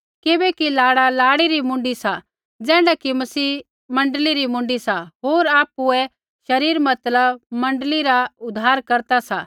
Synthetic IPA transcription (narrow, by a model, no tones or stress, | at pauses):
kɪbɛkilaːɽalaːɽiɾimʊ̃ɳɖisa | d͡zɛ̃ːɽakimɐsiː | mɐ̃ɳɖliɾimʊ̃ɳɖisaɦoːɾaːpuɛ | ʃɐɾiːɾmɐt̪ləbmɐ̃ɳɖliɾaʊd̪ʱaːɾkɐɾt̪asa̰